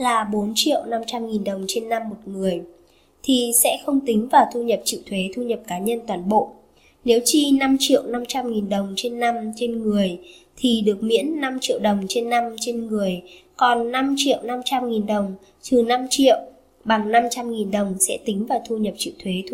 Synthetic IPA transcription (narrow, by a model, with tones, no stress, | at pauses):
laː˨˩ɓo˨˦nt͡ɕḭ˧˨əwna˧mt͡ɕa˧mŋi˨˩nɗə˨˩wŋ͡mt͡ɕe˧nːa˧mːo˨˩t̚ŋɨ˨˩əj | t̪ʰi˨˩sɛ̰˧˥xə˧wŋ͡mt̪ï˨˦ŋ̟vaː˨˩wt̪ʰu˧ɲə˨˩p̚t͡ɕḭ˧˨wt̪ʰwe˨˦t̪ʰu˧ɲə˨˩p̚kaː˨˦ɲə˧nt̪waː˨˩nɓo̰˧˨ | ne˨˦wt͡ɕi˧na˧mt͡ɕḭ˧˨əwna˧mt͡ɕa˧mŋi˨˩nɗə˨˩wŋ͡mt͡ɕe˧nːa˧mt͡ɕe˧nŋɨ˨˩əj | t̪ʰi˨˩ɗɨ˨˩ək̚mḭ˧˥ənːa˧mt͡ɕḭ˧˨ə˨wɗə˨˩wŋ͡mt͡ɕe˧nːa˧mt͡ɕe˧nŋɨ˨˩əjkɔ˨˩nːa˧mt͡ɕḭ˧˨ə˨wna˧mt͡ɕa˧mŋi˨˩nɗə˨˩wŋ͡m | t̪ɨ˨˩na˧mt͡ɕḭ˧˨əw | ɓa˨˩ŋna˧mt͡ɕa˧mŋi˨˩nɗə˨˩wŋ͡msɛ̰˧˥t̪ï˨˦ŋ̟vaː˨˩wt̪ʰu˧ɲə˨˩p̚t͡ɕḭ˧˨wt̪ʰwe˨˦